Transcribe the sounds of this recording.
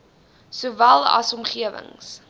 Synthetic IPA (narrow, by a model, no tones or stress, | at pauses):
suvælˠɐ̰sɔmχiəvə̰ŋs